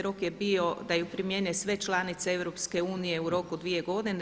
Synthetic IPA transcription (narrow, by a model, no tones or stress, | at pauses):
ɾo̞kjebio̞d̪ajupɾimjeːnesʋe̞t͡ʃlˠaːnit̪seeʋɾo̞pske̞uːnije̞uɾo̞kud̪ʋije̞ɡo̞d̪ine